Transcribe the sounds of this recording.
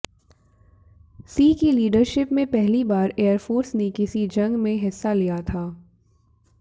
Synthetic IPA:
siːkiliːɖəɾʃɪpmẽpɛɦlibaːɾeːəɾfoːɾsnekɪsid͡ʒɐ̃ŋɡmẽɦɪsːalijat̪ʰaː

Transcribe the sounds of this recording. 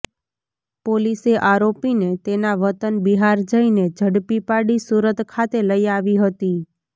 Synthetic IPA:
poliseʔaɾopinet̪enaʋət̪ənbiɦaɾd͡ʒəined͡ʒʱəɽpipaɽisuɾət̪kʰat̪eləiaʋiɦət̪i

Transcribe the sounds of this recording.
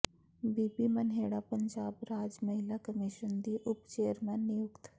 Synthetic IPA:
biːpimɐnɦeːɽapəɲd͡ʒaːbɾaːd͡ʒmɐɦɪlakɐmiʃənd̪iʔʊpt͡ʃeːəɾmɛnːɪjʊkt̪

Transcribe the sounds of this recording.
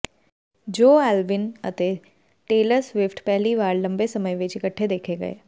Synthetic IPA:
d͡ʒoːɛːlʋɪnɐ̰t̪e | ʈeːləɾsʋɪfʈpɛɦliʋaːɾlɐ̃mbesɐməjʋɪt͡ʃɪkəʈʰːed̪eːkʰeɡɐ̰ḛː

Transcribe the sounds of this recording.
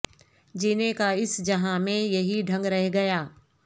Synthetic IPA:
d͡ʑiːnekaɪsd͡ʑɐɦãmẽjɐɦiɖʱɐ̃ŋɡɾɐɦeɡɐjaː

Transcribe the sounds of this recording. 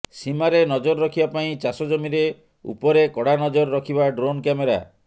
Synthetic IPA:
simaɾenɔd͡ʒɔɾɾɔkʰibapaĩt͡ʃasɔd͡ʒɔmiɾe | ṵpɔɾekɔɽanɔd͡ʒɔɾːɔkʰibaɖɾonkameɾa̰

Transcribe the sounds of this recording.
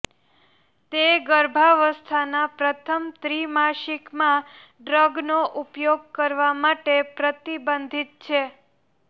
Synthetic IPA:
t̪eɡəɾbʱaʋəst̪ʰanapɾət̪ʰəmt̪ɾimaʃikmã | ɖɾəɡnoʔupjoɡ̚kəɾʋamaʈepɾət̪ibənd̪ʱit̪̚t͡ʃʰe

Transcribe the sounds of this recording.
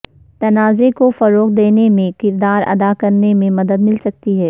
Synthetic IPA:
t̪ɐnaːzekofɐɾoːqd̪eːnemẽkɪɾd̪aːɾɐ̰d̪akɐɾnemẽmɐd̪əd̪mɪlsɐk̚t̪iɦɛː

